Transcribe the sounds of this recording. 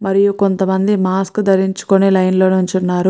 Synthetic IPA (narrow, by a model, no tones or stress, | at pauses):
mɐɾijuko̞nt̪ɐmɐnd̪imaːskd̪ɐɾiɲt͡ʃu̥konilɐjnlo̞ːnuɲt͡ʃunːaːɾu